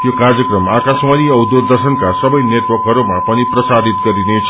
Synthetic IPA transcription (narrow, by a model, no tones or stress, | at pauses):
jokarjʌkrʌmakasmaniʌwd̪od̪ʌrsʌnkasʌbʌjneʈwʌrkɦʌɾumapʌniprʌsad̪it̪̚ɡʌɾinet͡sʰ